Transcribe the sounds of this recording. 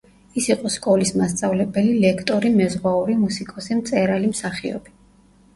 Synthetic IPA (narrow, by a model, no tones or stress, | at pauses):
isiqʼɔskʼɔlismast̪sʼavlɛbɛlilɛkʰt̪ʼɔɾimɛzʁwauɾimusikʼɔsimt̪sʼɛɾalimsaχiɔ̰b̥i